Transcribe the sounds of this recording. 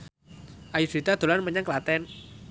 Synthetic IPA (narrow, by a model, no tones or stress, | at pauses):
ʔajisit̪ad̪̥o̤lanməɲaŋklat̪ɛn